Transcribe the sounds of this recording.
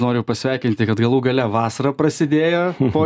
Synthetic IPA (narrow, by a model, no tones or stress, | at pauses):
noːɾʲʊpɐsʲʋʲæˑɪkʲɪnʲt̪ʲɪkɐt̪ɡɐlˠuːɡɐlʲɛʋɑːsɐɾɐpɾɐsʲɪd̪ʲeːjɛpoː